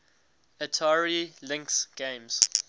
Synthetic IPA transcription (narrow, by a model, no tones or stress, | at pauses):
ətʰaːɹilɪ̃ŋksɡ̥ẽɪ̃mz̥